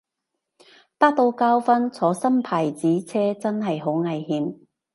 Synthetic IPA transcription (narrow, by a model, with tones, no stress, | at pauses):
t̪aː˥k̚t̪o˧wkaː˥wfɐ˥nt͡sʰɔː˨˥sɐ˥mpʰaː˨˩jt͡siː˨˥t͡sʰɛː˥t͡sɐ˥nɦɐ˨jɦo˨˥wŋɐ˨jhiː˨˥m